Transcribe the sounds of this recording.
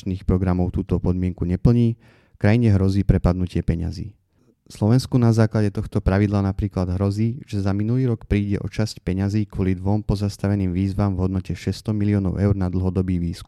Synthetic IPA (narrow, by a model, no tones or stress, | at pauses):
t͡ʃniːxpɾɔɡɾamɔʊt̪uːt̪ɔpɔd̪mɪɛŋkuɲɛpl̩ɲiː | kɾajiɲɛɦɾɔziːpɾɛpad̪nucɪɛpɛɲa̰zḭː | slɔʋɛnskunazaːklaɟɛt̪ɔxt̪ɔpɾaʋid̪laːnapɾiːklad̪ɦɾɔziːʒ̥ɛzaminuliːɾɔkpɾiːɟɛ̰ʔɔt͡ʃascpɛɲaziːkwɔlid̪ʋɔmpɔzast̪aʋɛniːmʋiːzʋaːmvɦɔd̪nɔcɛʃɛst̪ɔmiliɔːnɔʊʔɛʊɾnad̪l̩ɦɔd̪ɔbiːʋiːsk